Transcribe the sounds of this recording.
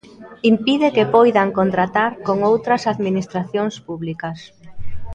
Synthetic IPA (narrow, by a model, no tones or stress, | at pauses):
impiðekepojðaŋkont̪ɾat̪aɾkoŋowt̪ɾɐsaðminist̪ɾaθjoŋspuβlikɐs